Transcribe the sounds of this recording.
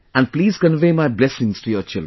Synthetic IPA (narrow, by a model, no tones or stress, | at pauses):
æ̃ɳɖ̚pliːzkə̃nʋeːmaɪblɛsɪ̃ŋsʈujoɾt͡ʃɪlɖɾ